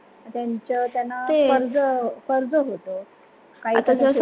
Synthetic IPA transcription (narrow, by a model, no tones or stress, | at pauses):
t̪jaɲt͡ɕət̪janːaeefəɾd͡zəfəɾd͡zəɦot̪o | kaɦiat̪ases